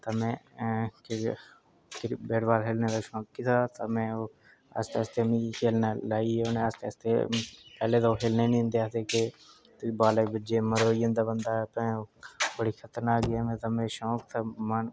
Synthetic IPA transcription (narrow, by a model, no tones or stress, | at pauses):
t̪aːmɛ̃ːk | kbeːɽbaːlɦeːlneːd̪aːʃɔ̃ːkːiːt̪ʰaːt̪amɛ̃ːoː | ə̰st̪eːst̪emĩkʰeːlnaːlaːioːnẽəst̪ḛːst̪ḛpɛːleːt̪aːoːkʰeːlneːnĩːnd̪eaːt̪eːke | t̪baːleːbɪd͡ʒeːməɾoːijə̃nd̪aːbənd̪aːɛpɛ̃ːoːbəɽiːkʰət̪ənaːɡɪaːmɛ̃ːt̪amẽːʃɔ̃ːkt̪ʰaːmən